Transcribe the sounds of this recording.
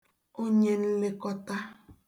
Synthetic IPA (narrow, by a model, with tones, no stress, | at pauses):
o˦ɲe˦n̩˦le˦kɔ˦ta˦